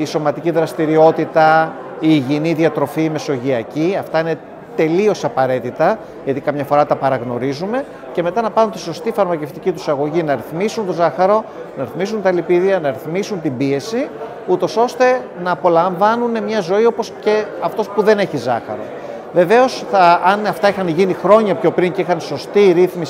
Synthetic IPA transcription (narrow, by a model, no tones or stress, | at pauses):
iso̞mɐt̪iciðɾɐst̪iɾio̞t̪it̪ɐ | iːʝiniðiɐt̪ɾo̞fiːme̞so̞ʝiɐciɐft̪ɐine̞ | t̪e̞lio̞sɐpɐɾe̞t̪it̪ɐ | ʝɐt̪ikɐmɲɐfo̞ɾɐt̪ɐpɐɾɐɣno̞ɾizume̞ | ce̞me̞t̪ɐnɐpɐɾunt̪i̥so̞st̪ifɐɾmɐce̞ft̪icit̪usɐɣo̞ʝinɐɾiθmisunt̪o̞zɐxɐɾo̞nɐɾiθmisunt̪ɐlipiðiɐnɐɾiθmisunt̪imbie̞si | ut̪o̞so̞st̪e̞ | nɐːpo̞lɐɱvɐnune̞mɲɐzo̞io̞po̞sce̞ɐft̪o̞spuðe̞ne̞çizɐxɐ̰ɾo̞̰ | ve̞ve̞o̞sθɐɐnɐft̪ɐixɐnʝinixɾo̞ɲɐpço̞pɾiɲceixɐnso̞st̪iɾiθmis